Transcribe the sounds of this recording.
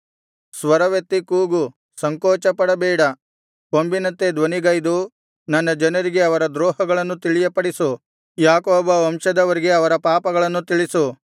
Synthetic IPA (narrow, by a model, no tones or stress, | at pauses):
sʋɐɾɐʋet̪ːikuːɡu | sɐŋkɔːt͡ʃɐpɐɽɐbɛːɽɐ | pombinɐnt̪e̞d̪ʋɐniɡɐjd̪u | nɐnːɐd͡ʒɐnɐɾiɡe̞ɐʋɐɾɐd̪ɾɔːɦɐɡɐɭɐnːut̪iɭijɐpɐɽisu | jaːkoːbɐɐmʃɐd̪ɐʋɐɾiɡe̞ɐʋɐɾɐpaːpɐɡɐɭɐnːut̪iɭisu